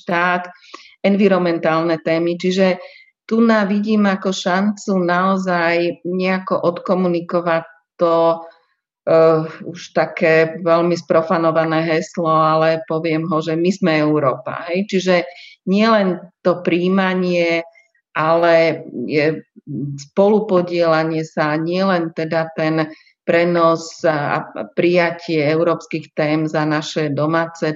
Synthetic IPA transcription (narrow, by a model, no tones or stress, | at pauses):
ʃt̪aːt̪ | ɛnʋiɾɔmɛnt̪aːlnɛt̪ɛːmit͡ʃiʒɛ | t̪unaʋiɟiːmakɔʃant͡sunaɔzajɲɛakɔʔɔt̪kɔmunikɔʋa | t̪ɔ | uʃt̪akɛːʋɛlmispɾɔfanɔʋanɛːɦɛslɔalɛpɔʋɪɛmɦɔʒɛmizmɛɛʊɾɔːpa̰ɦɛjt͡ʃiʒɛɲɪɛlɛnt̪ɔpɾiːmaɲɪɛ | ʔalɛjɛ | spɔlupɔɟɪɛlaɲɪɛsaɲɪɛlɛnt̪ɛd̪at̪ɛn | pɾɛnɔza̰pɾijacɪɛɛʊɾɔːpskixt̪ɛːmzanaʃɛd̪ɔmaːt͡sɛ